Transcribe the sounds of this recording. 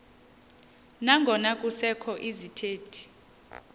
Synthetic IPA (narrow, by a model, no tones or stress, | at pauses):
naŋɡʱɔnakʼusɛkʰɔʔizitʰeːtʰi̥